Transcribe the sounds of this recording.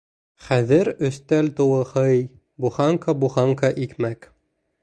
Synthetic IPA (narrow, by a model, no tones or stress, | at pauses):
χæðɘɾɵ̆st̪ælt̪ŭwɤ̆hɤj | buχɑŋkɑbuχɑŋkɑʔikmæk